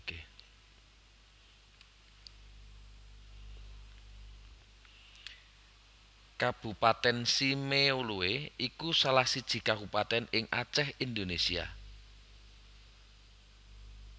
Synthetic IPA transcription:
ke | kab̥ṳpat̪ɛnsimeulueikusalahsid̥ʒ̥i̤kaɦupat̪ɛnɪŋʔa̰t͡ʃɛhind̪onesia̰

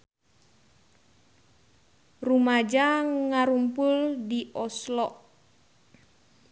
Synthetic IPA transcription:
rumad͡ʒaŋaɾumpʊldiʔɔslɔʔ

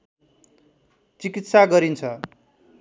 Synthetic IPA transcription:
t͡sikit̪saɡʌɾint͡sʰʌ

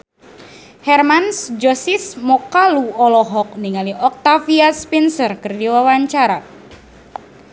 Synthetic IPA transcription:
hɛrmansd͡ʒɔsismɔkaluɔlɔɦɔk̚niŋaliʔɔk̚t̪afiaspinsərkɨrdiwawaɲt͡ʃaɾa

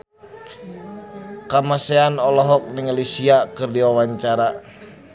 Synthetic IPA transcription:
kamaseanɔlɔɦɔk̚nɪŋlisiakɨrdiwawaɲt͡ʃaɾa

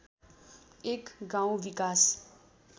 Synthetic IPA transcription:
ekɡãw̃ʋikas

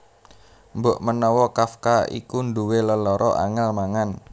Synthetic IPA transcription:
mboʔmənɔwɔkafkaḭkunduweləlɔɾʔɔʔa̰ŋalmaŋan

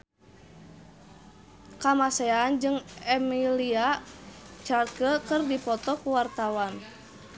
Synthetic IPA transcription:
kamasɛːnd͡ʒɨŋɛmilia | t͡ʃarkəkɨrdipɔt̪ɔkuwart̪awan

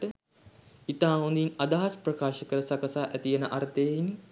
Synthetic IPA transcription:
ʈə | it̪aːond̪inad̪aɦasprɐkaːʃəkəɾəsakəsaːʔæt̪ijenəʔaɾt̪əjein

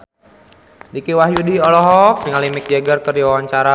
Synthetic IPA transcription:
dikiwaɦjudiɔlɔɦɔk̚diŋalimɪk̚d͡ʒɛɡərkərd͡ʒiwawaɲt͡ʃaɾa

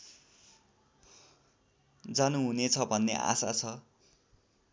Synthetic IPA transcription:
d͡zanuɦunet͡sʰʌbʱʌnːḛʔa̰sa̰t͡sʰʌ

